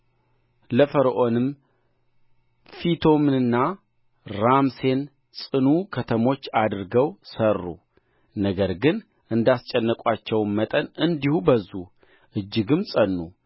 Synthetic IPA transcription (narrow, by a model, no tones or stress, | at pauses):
ləfəɾʔo̞nɨm | fit̪ʰomnɨnːa | ɾamse̞n | sʼɨnukʰət̪ʰəmo̞t͡ʃːad̪ɾɨɡəwsərːṵ | nəɡəɾɡɨn | ʔɨnd̪ast͡ʃʼɛnːəkʷʼat͡ʃːɛwmmət̪ʼənɨnd̪ihubəzːu | ʔɨd͡ʒːɨɡɨmsʼənːu